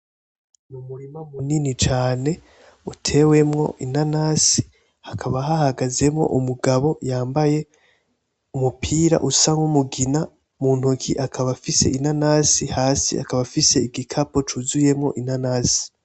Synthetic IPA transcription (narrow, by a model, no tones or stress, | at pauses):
numuɾimamuninit͡ʃaːne̞ | utʰe̞we̞mŋo̞̰ʔinanasi̥ | hakʰaβaɦahaɡaze̞mŋo̞̰ʔumuɡaβo̞jaːmbaje̞ | umupʰiːɾa̰ʔusaŋɡumuɡina | muːn̥hukʰiʔakʰaβafise̞̰ʔinanasihaːsḭa̰kaβafise̞iɡikʰapot͡ʃuzuje̞mŋo̞̰ʔinanaːsi̥